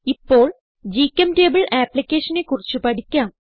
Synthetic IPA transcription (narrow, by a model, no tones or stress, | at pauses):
ipːo̞ːɭ | d͡ʑiːkʲːɐmte̞ːbɐɭʔaːplikʲːeːʂɐnekurit͡ɕːupɐɽikʲːaːm